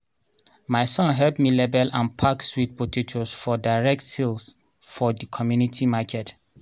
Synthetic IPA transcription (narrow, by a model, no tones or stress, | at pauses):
majsɔ̃nɦɛlpmilɛbɛlãnpʰakswit̚potʰitʰɔsfɔdaɪɹɛk̚tsils | fɔdikʰɔmjunitʰimakʰɛt